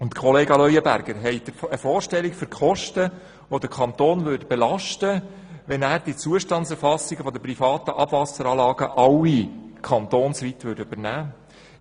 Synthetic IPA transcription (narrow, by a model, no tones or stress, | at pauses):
ʊnt̪kʰχɔleːɡɑlœjəbæ̰ɾɡ̥əɾɦɛɪtəfoːɾʃtɛlikføɾkʰχɔʃtə | ʋod̥̪əɾkʰɑnt̪oːnʋʏɾdbɛlɑʃtə | ʋɛnæːɾd̥it͡suəʃtɑnt͡sɛɾfɑsːiɡəfɔd̪əprifɑːt̪əʔɑb̥vɑsəɾɑːlɑːɡəʔɑwikʰɑnt̪oːnsʋit̪ʋʏːɾdʉb̥əɾnæː